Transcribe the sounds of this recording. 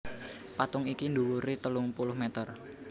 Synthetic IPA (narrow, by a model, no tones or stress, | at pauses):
pat̪ʊŋikind̪uwuɾit̪əlʊŋpulʊhmɛt̪ər